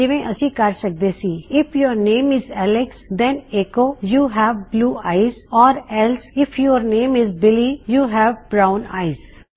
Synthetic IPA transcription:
d͡ʒɪʋẽʔəsĩːkəɾsək̚d̪esiːɪpʰjoːɾnẽːmɪzɛːlɪksd̪ɛ̃neːkoːjuːɦɛːʋbluːaːɪzɔːɾɛlsɪpʰjoːɾnẽːmɪzbɪlijuːɦɛːʋbɾãʊ̃na̰ːɪz̥

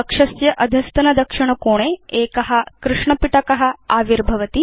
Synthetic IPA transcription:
ɐkʂɐsjɐʔɐd̪ʱjɐst̪ɐnɐd̪ɐkʂiɳ̃ɐkoːɽ̃eekɐɦakɾuʂɳɐpiʈɐkɐɦaaːʋiɾbʱɐʋɐt̪i

